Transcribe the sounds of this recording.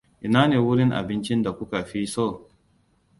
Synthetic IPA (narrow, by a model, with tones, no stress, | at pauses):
ʔɪ˨naː˦neː˨wʊ˦ɽɪ˦ŋʔa̰˨bɪ˦nt͡ʃɪ˦nda˨kʷʊ˦ka˨ɸi˦sɔ˦˨